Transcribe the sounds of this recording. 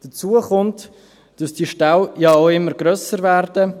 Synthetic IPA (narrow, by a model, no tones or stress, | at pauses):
d̥ət͡suəχʊnt | d̥ɑsd̥iʃtawjɑoʊɪmːəɾɡɾœsəɾvɛɾdə